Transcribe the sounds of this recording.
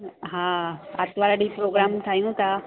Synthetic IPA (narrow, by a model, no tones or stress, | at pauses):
ɦãat̪ʋaɾəɖipɾoɡɾamt̪ʰajũt̪a